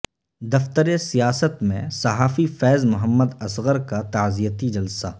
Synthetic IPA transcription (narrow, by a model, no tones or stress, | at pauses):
d̪ɐft̪əɾesijaːsət̪mḛ̃sɐɦaːfifɛːzmʊɦəmːəd̪ɐsɣəɾkat̪aːzijət̪id͡ʒɐlsaː